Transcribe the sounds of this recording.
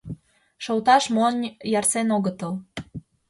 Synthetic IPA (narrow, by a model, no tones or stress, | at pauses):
ʃowt̪ɑʃmonʲjɑrsenoɣət̪əl